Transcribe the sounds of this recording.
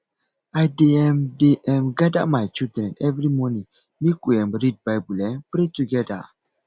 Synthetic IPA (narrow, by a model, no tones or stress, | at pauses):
ajdeɛmdeʔɛ̃mɡada̰majt͡ʃildɾɛ̃nɛvɾimɔnĩŋ | mekuɛ̃mɾid̚bajbulɛ̃npɾetuɡɛda̰